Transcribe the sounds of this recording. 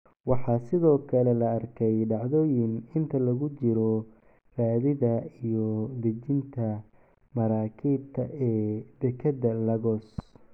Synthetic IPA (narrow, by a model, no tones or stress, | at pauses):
wɑħɑːsɪðɔːkʰɐlɛlɐɐrkʰɛjɖɑʕðɔːjɪnɪnt̪ʰɐlɐɣʊt͡ʃɪɾɔ | raːðɪðɐijɔd̪ɛt͡ʃɪnt̪ʰɐ | mɐɾaːkʰiːb̚t̪ʰɐʔɛːb̪ɛkʰɐd̪ɐlɐɣɔːs